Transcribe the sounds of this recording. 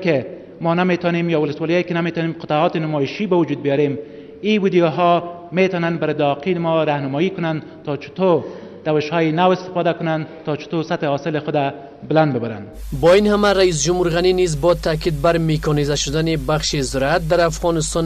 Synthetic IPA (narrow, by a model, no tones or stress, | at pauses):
kɪ | mɔnamet̪ɔnemjɒwʊlɪswɒlijɒjekɪnamet̪ɔnemqɪt̪aɔt̪ɪnʊmɔɪʃibawʊd͡ʒud̪̚bijɔɾem | iwid̪ijoɦɔmet̪ɔnanbaɾɪd̪ɒqʰinɪmɔɾahnʊmɔikʊnan | t̪ɔt͡ʃʊ̥t̪oɾ | d̪̥awɪʃhɔjɪnawɪst̪ɪ̥fɔd̪akʊnant̪ɔt͡ʃɪ̥t̪osat̪hɪhɔsɪlɪxʊd̪a | bɪland̪bɪbaɾa̰nbɔinhamaɾais̬d͡ʒumhuɾɣaninizbɔt̪ʰakid̪̚baɾmekʰɔnizaʃʊd̪anibaχʃizɪɾat̪̚d̪aɾafʁɔnɪst̪ɔn